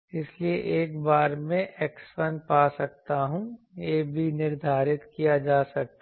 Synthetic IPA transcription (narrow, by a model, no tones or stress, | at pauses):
ɪslieʔeːkbaːɾmẽʔeːksfənpaːsɐk̚t̪aɦũ | jeːbʱinɪɾd̪ʱaːɾɪt̪kijad͡ʒaːsɐk̚t̪